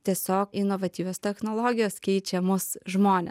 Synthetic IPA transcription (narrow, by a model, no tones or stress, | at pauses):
t̪ʲiɛsʲoːkɪnoʋɐt̪ʲiːʋʲoːst̪ʲɛxnoːlˠoːɡʲɪjoːskʲɛɪt͡ʃʲɛmʊsʒmoːnʲɛ̰